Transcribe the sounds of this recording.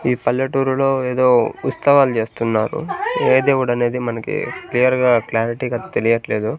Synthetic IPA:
iːpɐlːɐʈuːɾulo̞ːeːd̪o̞ːut̪sɐʋaːlut͡ʃe̞ːst̪unːaːɾṵeːd̪eːʋɐɽɐne̞ːd̪imɐnɐkḭklijɐɾɡaːklaːɾiʈiɡat̪elijɐʈle̞ːd̪u

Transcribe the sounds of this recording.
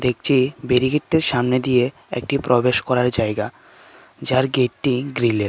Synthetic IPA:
d̪ek̚ʰt͡ɕʰibeɾiɡeʈ̪ːeɾʃamned̪ije | ḛk̚ʈipɾobeʃkɔɾaɾd͡ʑaeɡa | d͡ʑaɾɡeʈːiɡɾileɾ

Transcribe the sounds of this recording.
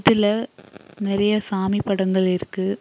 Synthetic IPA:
ðɪlɐnɪɾɐjɐsaːmipːɐɽɐŋɡɐɭɪɾɯkːɯ

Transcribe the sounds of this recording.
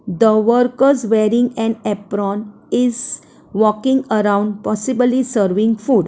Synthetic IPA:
d̪əʋəɾkəɾzʋeːɾĩŋɡɛ̃nɛpɾɔ̃ːn | ɪz | ʋɔkĩŋɡəɾãʊ̃ɳɖpɔsiblisəɾʋĩŋɡfuːɖ

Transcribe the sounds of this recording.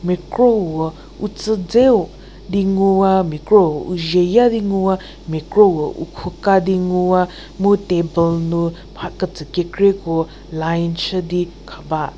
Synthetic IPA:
mekɾowə | ut͡səd͡zew | diŋuamikɾowʔṵʒejadiŋua | mekɾowəʔṵkʰukadiŋua | mutebəlnu | mʰakət͡səkekɾeko | lajnt͡ʃədi | kʰaba

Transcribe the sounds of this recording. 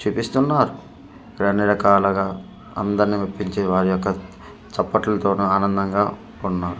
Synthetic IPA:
t͡ʃupist̪unːaːɾu | ɾɐnːiɾɐkaːlɐɡaː | ɐ̰nd̪ɐɾnimɐpːiɲt͡ʃeːʋaːɾijɔkːɐ | t͡ʃɐpːɐʈlɐt̪o̞ːnuaːnɐnd̪ɐŋɡaː | unːaːɾu

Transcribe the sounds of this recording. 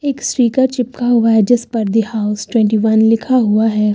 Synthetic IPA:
eːksɾiːkaɾt͡ʃɪpkaɦʊaɦɛd͡ʒɐspɐɾd̪ihaʊsʈwɛ̃ɳʈiʋɐnlɪkʰaɦʊaɦɛː

